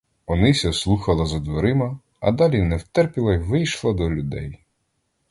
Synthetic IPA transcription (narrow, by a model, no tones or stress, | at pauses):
ɔnɪsʲɐslˠuxɐlˠɐzɐd̪ʋɔɾɪmɐ | ɐ̰d̪ɑlʲinɛwt̪ɛrpʲilˠɐʋɪjʃlˠɐd̪ɔlʲʊd̪ɛ̰j